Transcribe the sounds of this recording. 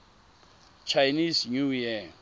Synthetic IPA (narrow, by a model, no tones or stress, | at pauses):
t͡ʃʰajnisnujɛ